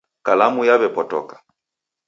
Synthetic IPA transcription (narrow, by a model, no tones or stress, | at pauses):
kalamujaβɛpɔtɔ̰kḁ